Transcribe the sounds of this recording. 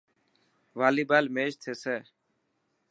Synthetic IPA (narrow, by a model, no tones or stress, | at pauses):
ʋaːliːbaːlmeːʃt̪ʰeːsɛː